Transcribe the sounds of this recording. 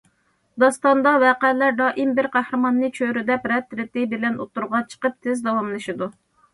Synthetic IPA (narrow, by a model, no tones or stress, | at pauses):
d̪ɑst̪ɑnd̪ɑwɛqælæɾd̪ɑːʔimbɪɾqʰæhɾɨmɑnːɨt͡ʃʰøɾɪd̪ɛpɾɛt̪ʰːɾɪt̪ɪbɪlɛno̰t̪ːuɾʁɑt͡ʃʰə̥qəp̚t̪ʰɪzd̪ɑwɑmlˠɨʃid̪u